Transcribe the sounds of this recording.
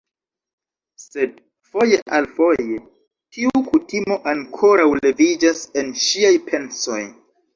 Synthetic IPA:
se̞d̚ | fo̞je̞ʔalfo̞je̞ | tʰiukutimo̞ʔaŋkʰo̞ɾawle̞vid͡ʒase̞nʃiajpʰe̞nso̞j

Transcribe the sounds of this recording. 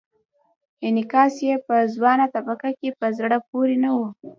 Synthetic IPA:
ɪnɪkɑsjepəzwɑnat̪abakakepəzɽap̚oɾenawu

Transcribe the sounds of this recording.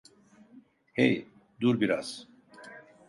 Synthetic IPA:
hɛ̰j | d̪uɾbiɾaz̥

